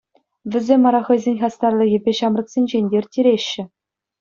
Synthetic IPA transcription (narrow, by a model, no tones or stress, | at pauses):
ʋʲɘ̆zʲemʲːɑɾɑχɤ̆jzʲenʲχɑst̪ɑrlʲˠɤ̆jʲepʲeɕɑmrɤ̆ksʲenʲd͡ʑenʲdʲerʲtʲiɾʲeɕːɘ̆